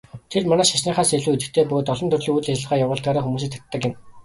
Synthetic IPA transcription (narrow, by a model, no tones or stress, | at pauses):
t̪ʰermanæːʃasniːχaːseɮuːet̪ɘ̆kt̪ʰeːpɵɣoːt̪ɔɮɞ̆nt̪ʰɵrɮĭuj̪ɮet͡ɕɪ̆ə̆ʁaːjawʊːɮt̪ɡaːɾaːxumuːs̬iːk̚t̪ʰḁt̪ːə̆kɪ̆m